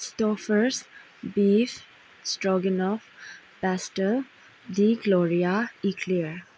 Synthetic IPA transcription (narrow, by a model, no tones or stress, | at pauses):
sʈɔːfəɾs | bif | sʈɾɔɡə̃nɔf | pɛsʈəl | d̪iɡlɔːɾiaikʰliəɾ